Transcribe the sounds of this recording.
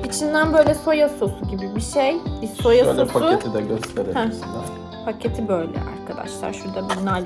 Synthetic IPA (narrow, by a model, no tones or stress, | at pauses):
it͡ʃʰind̪ænbø̞ːjlʲɛso̞jaso̞suɟibibiʃejbiso̞jasosut̪ʰid̪ɛøst̪ʰeɾeɛ | pʰacʰe̞t̪ʰibøjlʲɛ̰a̰ɾkʰad̪a̰ʃlˠa̰ɾʃuɾd̪abunynalʲ